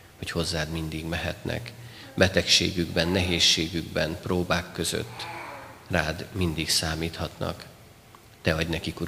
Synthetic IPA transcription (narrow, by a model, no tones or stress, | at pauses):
ho̞cho̞zːaːd̪mind̪iɡmɛɦɛt̪nɛ̰k | bɛt̪ɛkʃḛːɡyɡbɛnːɛɦeːʃːeːɡyɡbɛ̰nproːbaːkːøzø̰t̪ːraːd̪mind̪iksaːmiːt̪hɒt̪nɒ̰k | t̪ɛɒɟnɛkikuɾ